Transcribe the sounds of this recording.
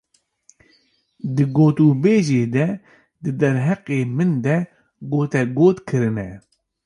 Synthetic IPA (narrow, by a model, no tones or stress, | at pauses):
d̪ɨɡoːt̪uːbeːʒeːd̪ɛ | d̪ɨd̪ɛɾɦɛqeːmɨnd̪ɛ | ɡoːt̪ɛɡoːt̪kʰɨɾɨnɛ